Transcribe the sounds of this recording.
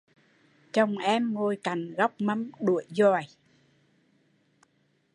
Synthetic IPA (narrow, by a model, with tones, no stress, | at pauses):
t͡ɕə˧˩wŋ͡mʔɛ˧mŋo˧jka˨˩ŋɣa˦˥wk͡p̚mə˧mɗu˧˩əjzɔ˨˩j